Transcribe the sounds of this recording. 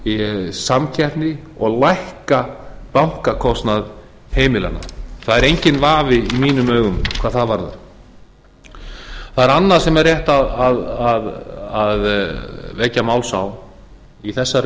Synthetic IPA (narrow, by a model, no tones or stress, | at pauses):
samcʰɛhp̪nɪɔɣlajhkapawŋ̥kakʰɔst̪nað | heːjmɪla̰nːa̰θaðɛɾejɲcɪnvaːvɪimiːnʏmœːɣʏmkʰv̥aːðθaðvaɾða̰ | θaðɛɾanːḁsɛmɛrːjɛht̪aðaðaðaðvɛcːamaːwlsaw | iθɛsːa